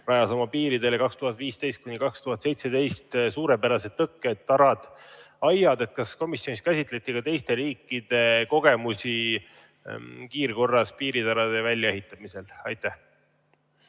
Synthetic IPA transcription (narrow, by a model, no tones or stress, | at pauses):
ɾɑjɑsɑmɑpiːɾid̪e̞lekɑkst̪uhɑt̪ːˑviːst̪e̞jst̪̚kunikɑkst̪uhɑt̪se̞jt̪se̞d̪e̞jst̪suːɾepæɾɑse̞t̪ːɤkːet̪ːɑɾɑd̪̥ | ɑjːɑd̪e̞t̪̚kɑsko̞misːjoniskæsʲit̪ˑle̞t̪ːˑikɑt̪e̞jst̪e̞ɾiːkːˑid̪̥e̞ko̞ɡ̥e̞musʲi | kiːrko̞rːɑspiːɾit̪ɑɾɑd̪̥e̞vælʲjɑe̞ɦit̪ːˑɑmise̞lɑjt̪ːˑæh